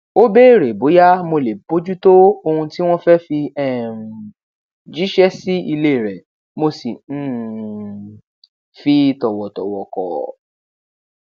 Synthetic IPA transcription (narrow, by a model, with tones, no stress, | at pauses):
o˦be˦˨ɾe˨bo˨˦ja˦mo˧le˨bo˨˦d͡ʒu˦to˦o˧hũ˧ti˦w̃ɔ̃˦fɛ˦fi˧ɛ˦˨ | d͡ʒi˦ʃɛ˦si˦i˧le˦˨ɾɛ˨ | mo˧sĩ˨˦ | fi˧tɔ˨wɔ˨tɔ̰˨wɔ̰˨kɔ̰˨